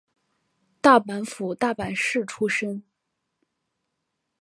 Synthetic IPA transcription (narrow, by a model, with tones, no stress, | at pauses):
t̪a˥˩pa˧˥nfu˨˩t̪a˥˩pa˨˩nʂɻ̩˥˩ʈ͡ʂʰu˥ʂə˥ŋ